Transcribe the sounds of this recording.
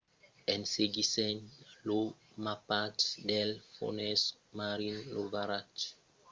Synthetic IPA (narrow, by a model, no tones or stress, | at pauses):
ɛ̃nseɡisɛnlo | mapatdɛlfo̰nɛs | maɾinlovaɾat͡ʃ